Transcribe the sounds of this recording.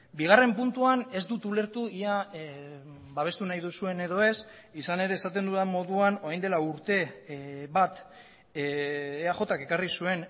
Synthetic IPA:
biɣ̞are̞mpunt̪uane̞zd̪ut̪ule̞ɾt̪uia | baβe̞st̪unajðusue̞ne̞ðo̞e̞s | isane̞ɾe̞ːsat̪e̞nd̪uðamːo̞ðuano̞ajnd̪e̞lauɾt̪e̞βat̪ | eaʝo̞t̪ake̞karisue̞n

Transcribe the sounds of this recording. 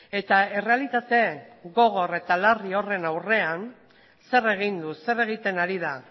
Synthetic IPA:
e̞t̪ae̞re̞alit̪at̪e̞ɣo̞ɣ̞o̞re̞t̪alario̞re̞nawre̞an | se̞re̞ɣ̞ind̪use̞re̞ɣ̞it̪e̞naɾiða

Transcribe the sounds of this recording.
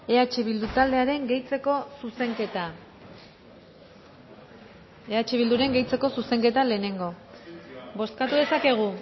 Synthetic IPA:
e̞at͡ʃeβild̪ut̪ald̪e̞aɾe̞ŋɡe̞jt͡se̞ko̞suse̞ŋket̪a | eat͡ʃeβild̪uɾe̞ŋɡe̞jt͡se̞ko̞suse̞ŋke̞t̪ale̞ːne̞ŋɡo̞ | bo̞skat̪uðe̞sake̞ɣ̞u

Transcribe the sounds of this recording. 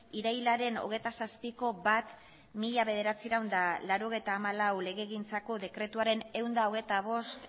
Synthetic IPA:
iɾajlaɾe̞no̞̰ɣ̞e̞jt̪asaspiko̞bat̪ | miʎaβe̞ð̞e̞ɾat͡siɾawnd̪alaɾo̞ɣ̞e̞jt̪aːmalawle̞ɣ̞e̞ːɣ̞int͡sako̞ðe̞kɾe̞t̪uaɾe̞ne̞wnd̪ao̞ɣ̞e̞jt̪aβ̞o̞st̪

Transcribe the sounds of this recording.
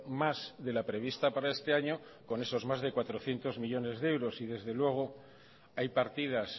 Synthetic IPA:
mazðe̞lapɾe̞β̞ist̪apaɾae̞st̪e̞aɲoko̞ne̞so̞zmazðe̞kwat̪ɾoθje̞nt̪o̞zmiʎo̞ne̞zðeewɾo̞siðe̞zðe̞lwe̞ɣ̞o̞ | ajpaɾt̪ið̞as

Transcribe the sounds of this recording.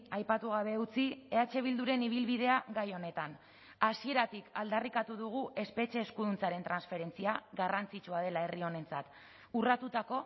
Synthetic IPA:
ajpat̪uɣ̞aβe̞ut͡sieat͡ʃe̞β̞ild̪uɾe̞niβ̞ilβiðe̞aɣajo̞ne̞t̪an | asie̞ɾat̪ikald̪arikat̪uðuɣ̞uʔe̞spe̞t͡ʃe̞ːskuðunt͡saɾe̞nt̪ɾansfe̞ɾe̞nt͡siaɣarant͡sit͡ʃuað̞e̞lae̞rio̞ne̞nt͡sat̪ | urat̪ut̪ako̞

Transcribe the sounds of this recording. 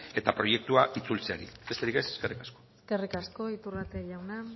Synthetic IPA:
e̞t̪apɾo̞je̞k̚t̪uaʔit͡sult͡seaɾḭbe̞st̪e̞ɾikeseske̞rikasko̞̥ske̞rikasko̞it̪urat̪eʎawna

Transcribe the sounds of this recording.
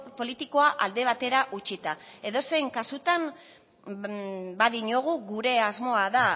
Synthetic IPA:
po̞lit̪iko̞aʔald̪e̞β̞at̪e̞ɾaʔut͡ʃit̪ae̞ðo̞se̞ŋkasut̪am | baðiɲo̞ɣ̞uɣuɾe̞azmo̞aða

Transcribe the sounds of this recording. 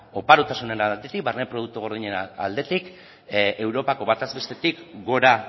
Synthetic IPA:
o̞paɾut̪asune̞nat̪et̪ik̚baɾne̞pɾo̞ð̞uk̚t̪uɣ̞o̞ɾðiɲea̰ld̪e̞t̪ik | e̞wɾo̞pako̞βat̪azbe̞st̪e̞t̪ikɡo̞ɾa

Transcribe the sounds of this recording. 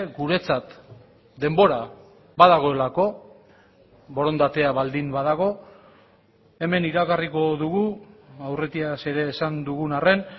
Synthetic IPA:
ɡuɾe̞t͡sat̪ | d̪e̞mbo̞ɾa | baðaɣ̞o̞e̞lako̞ | βo̞ɾo̞nd̪at̪e̞aβald̪imbaðaɣ̞o̞ | e̞me̞niɾaɣariko̞ðuɣuawre̞t̪iase̞ɾe̞ːsand̪uɣunare̞n

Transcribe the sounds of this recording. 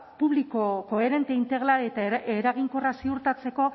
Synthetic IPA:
puβliko̞ko̞e̞ɾe̞nt̪eint̪e̞ɣlaɾiet̪aeɾaɣiŋkorasiuɾt̪at͡se̞ko̞

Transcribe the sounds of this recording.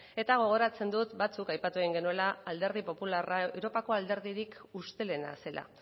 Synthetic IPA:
e̞t̪aɣ̞o̞ɣ̞o̞ɾat͡se̞nd̪ut̪bat͡sukajpat̪ue̞ɣiŋɡe̞nue̞laːld̪e̞ɾð̞ipo̞pularaewɾo̞pako̞ald̪e̞ɾðiɾikust̪e̞le̞na̰se̞la̰

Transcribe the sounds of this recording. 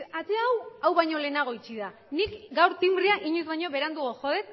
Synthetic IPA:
at̪eaːwawβajɲo̞le̞naɣ̞o̞it͡ʃiða | nikɡawɾt̪imriaʔiɲuzβajɲo̞βe̞ɾand̪uɣoxo̞ð̞e̞t̪̚

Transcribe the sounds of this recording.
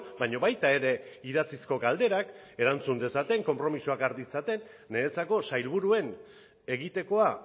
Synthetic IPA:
bajɲo̞βajt̪ae̞ɾe̞iðat͡sisko̞ɡald̪e̞ɾak | eɾant͡sund̪e̞sat̪e̞ŋko̞mpɾo̞misuakaɾd̪isat̪e̞nː | e̞ːt͡sako̞sajlβuɾue̞n | e̞ɣit̪e̞ko̞a

